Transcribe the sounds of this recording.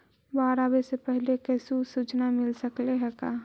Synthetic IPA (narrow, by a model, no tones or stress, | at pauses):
baːɾabesepəɦlekəsusut͡ʃnamɪlsəkleɦɛkaː